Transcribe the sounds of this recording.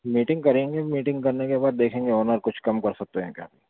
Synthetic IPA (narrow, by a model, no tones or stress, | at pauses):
miːʈɪ̃ŋɡ̚kɐɾẽːŋɡemiːʈɪ̃ŋɡkɐɾnekebaːd̪ːeːkʰẽːŋɡeɔːnəɾkʊt͡ʃʰkɐmkɐɾsɐk̚t̪eɦɛ̃kja̰ːbi